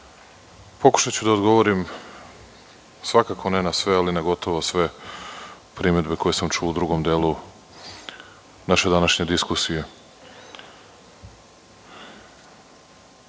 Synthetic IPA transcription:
po̞ku̥ʃat͡ɕud̪aod̪ɡo̞ʋo̞ɾim | sʋakakʰo̞nenasʋealinaɡo̞t̪o̞ʋosʋe̞ | pɾime̞d̪be̞ko̞je̞samt͡ʃuud̪ɾuɡo̞md̪eːlˠu | naʃe̞d̪anaʃɲe̞d̪iskusije̞

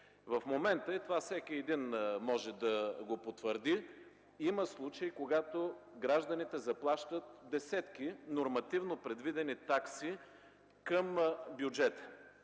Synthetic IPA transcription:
vɐfmomɛnt̪əɛt̪ovasɛkʲiɛd̪inmɔʒɛd̪ɐɡopot̪vəɾd̪i | iməslˠut͡ʃəjkoɡat̪oɡɾaʒd̪ɐnit̪ɛzɐplˠaʃt̪ət̪̚d̪ɛsɛt̪kinoɾmɐt̪ivnopɾɛd̪vid̪ɛnit̪aksi | kəmbjud͡ʒɛt̪ə̥

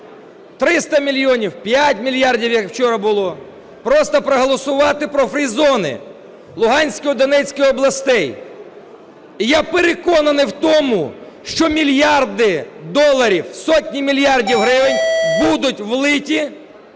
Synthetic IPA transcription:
t̪ɾɪst̪ɐmʲilʲjɔnʲiwpʲjatʲmʲilʲjɑrdʲiwjɐkwt͡ʃɔɾɐbʊlˠɔ | pɾɔst̪ɐpɾɔɦɔlˠɔsʊʋɑt̪ɪpɾɔfɾʲizɔnɪ̰ | lˠʊɦɑnʲsʲkɔɔd̪ɔnɛt͡sʲkɔjɔblˠɐst̪ɛj | ijapeɾekɔnɐnɪwt̪ɔmʊ | ʃt͡ʃɔmʲilʲjɑrd̪ɪd̪ɔlˠːɐɾʲiwsɔtʲnʲimʲilʲjɑrdʲiwɦɾɪʋɪnʲbud̪ʊtʲʋlˠɪtʲi

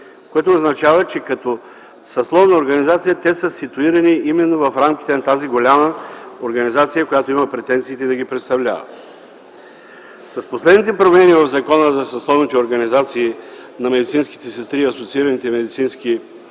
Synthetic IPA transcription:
koɛt̪oːznɐt͡ʃavət͡ʃɛkɐt̪ɔ | sɐslˠɔvnəoɾɡɐnizat̪sijət̪ɛsəsit̪uiɾɐniʔimɛnːovɐfɾamkit̪ɛnɐt̪aziɡolʲaməoɾɡɐnizat̪sijəkojat̪oimɐpɾɛt̪ɛnt̪siːt̪ɛd̪ɐɡipɾɛt̪st̪ɐvlʲa̰və̰ | sɐsposlɛd̪nit̪̬ɛpɾomɛnivɐvzɐkɔnəzɐsɐslˠɔvnit̪ɛoɾɡɐnizat̪siːnɐmɛd̪it̪sinski̥t̪ɛsɛst̪ɾiːɐsot̪siiɾənit̪ɛmɛd̪it̪sinski

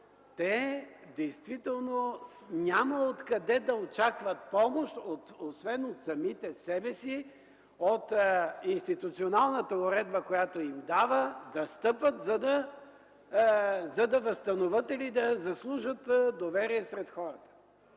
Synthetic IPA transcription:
t̪ɛd̪ɛjst̪vit̪ɛlˠnonʲaməot̪kɐd̪ɛd̪ɐot͡ʃakvət̪̚pɔmoʃt̪ot̪osvɛnot̪sɐmit̪ɛsɛbɛsi | ot̪inst̪it̪ut̪sionalˠnət̪əʊɾɛd̪̚bəkojat̪oimd̪avəd̪ɐst̪ɤpvət̪zɐd̪ɐ | zɐd̪ɐvɐst̪ɐnovət̪ilid̪ɐzɐslˠuʒət̪d̪ovɛɾiɛsɾɛt̪xɔɾət̪ə̥

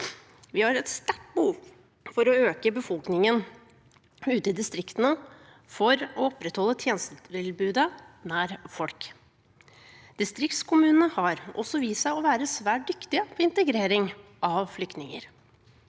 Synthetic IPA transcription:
ʋɪhɑɾɛt̪st̪æʈ̚bəhuː | fɔɾɔøːkəbəfɔlknɪŋən | ʉːt̪əɪd̪ɪst̪ɾɪkt̪ənə | fɔɾɔɔpːɾɛt̪hɔlːət̪ʰjeːnəst̪ət̪ɪlbʉːd̪ənæːɾfɔlk | d̪̥ɪst̪ɾɪk̚t̪skʰʊmʉːnənəhɑɾʔɔ̰sːɔʋiːsæɪɔʋæːɾəsʋæːʈ̚d̪ʏkt̪ɪəpʰɔɪnt̪əɡɾeːɾɪŋ | ɑʋflʏkt̪nɪŋə̰ɾ

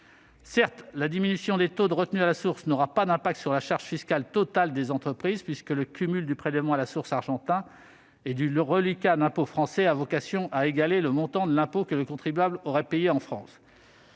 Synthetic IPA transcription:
sɛʁt̪lad̪iminysjɔ̃d̪et̪od̪əʁət̪nyalasuʁsnɔʁapad̪ɛ̃pak̚t̪syʁlaʃaʁʒ̥fiskʲalt̪ɔt̪ald̪ezɑ̃t̪χəpχizpɥiskələkʲymyld̪ypχelɛvmɑ̃alasuʁsaʁʒɑ̃t̪ɛ̃ | ed̪yʁəlikad̪ɛ̃pofχɑ̃sɛavɔkasjɔ̃ʔaeɡaleləmɔ̃t̪ɑ̃d̪əlɛ̃pokələkɔ̃t̪χibɥablɔʁɛpejeɑ̃fχɑ̃s

